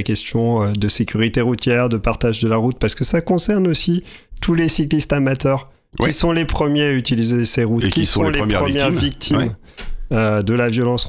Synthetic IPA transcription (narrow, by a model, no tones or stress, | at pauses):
kʲɛst̪jɔ̃ød̪əsekʲʰyʁit̪eʁut̪jɛʁd̪əpaʁt̪aʒd̪əlaʁut̪̚paʁsə̥kəsakɔ̃sɛʁnosi | t̪ʰulesiklist̪amat̪œʁʲ | isɔ̃lepχəmjeayt̪ilizeseʁut̪kiisɔ̃leəmjɛɛʁvik̚t̪ʰim | ød̪əlavjɔlɑ̃s